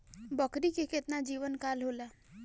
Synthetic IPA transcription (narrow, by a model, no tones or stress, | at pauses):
bəkɾikeket̪nad͡ʒiːʋənkaːlɦoːla